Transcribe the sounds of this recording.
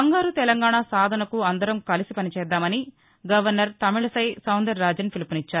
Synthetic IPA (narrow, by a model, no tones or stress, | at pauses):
ɐŋɡaːɾut̪ɛlɐŋɡaːɳaːsaːd̪ʱɐnɐkuɐnd̪ɐɾɐmkɐlisipɐnit͡ʃɛːd̪ːaːmɐni | ɡɐʋɐɾnɐɾt̪ɐmiɭɐsɐjsɐwnd̪ɐɾːaːd͡ʒɐnpʰilpunit͡ʃːaːɾu